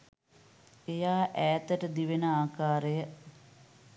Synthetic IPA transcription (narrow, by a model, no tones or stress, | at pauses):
ejaːʔæːt̪əʈəd̪iʋenəaːkaːɾejə